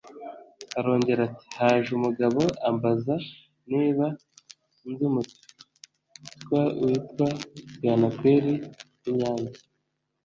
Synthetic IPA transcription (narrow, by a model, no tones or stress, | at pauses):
haɾo̞ːɲɟe̞ɾati̥haːʒumuɡaβo̞ʔambaza | niːβa | ndumuti̥ | tkwauitwaɡaːnakweːɾi | iɲɲaːɲzi